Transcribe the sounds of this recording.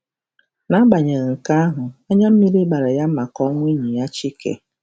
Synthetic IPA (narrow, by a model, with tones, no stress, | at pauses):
na˨˦ɡ͡ba˨ɲe˨ɣŋ̩˨ka˦a˦ɦʊ˨ɔ˦ɲa˦m̩˦mi˦ɾi˦ɡ͡ba˨ɾa˨ja˦ma˨kɔ˦ŋʷ˦i˦ɲi˨ja˦t͡ʃi˦kḛ˨